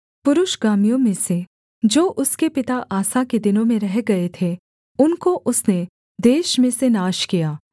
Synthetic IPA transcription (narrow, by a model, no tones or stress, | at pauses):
pʊɾʊʃɡaːmijõmẽse | d͡ʒoːʔʊskepɪt̪aʔaːsaked̪ɪnõmẽɾɛɦɡɐet̪ʰe | ʊnkoʔʊsne | d̪eːʃmẽsenaːʃkijaː